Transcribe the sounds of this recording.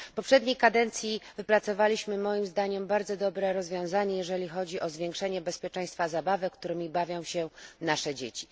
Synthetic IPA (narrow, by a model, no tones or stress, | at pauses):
pɔpʂɛd̪ɲejkad̪ɛnt̪sʲjivɘpɾat̪sɔvalʲiɕmɘmɔjimzd̪aɲɛmbaɾd̪zɔd̪ɔbɾɛɾɔzvʲjɔ̃w̃zaɲɛjɛʐɛlʲixɔd͡ʑiʔɔzvʲjeŋkʂɛɲɛbɛspʲjɛt͡ʂɛ̃j̃st̪fazabavɘkt̪uɾɘmʲibavʲjɔ̃w̃ɕɛnaʂɛd͡ʑḛt͡ɕi̥